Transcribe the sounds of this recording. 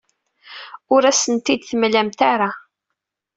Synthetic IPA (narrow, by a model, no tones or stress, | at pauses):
ʊɾæsənt̪id̪θəmlæmt̪aɾa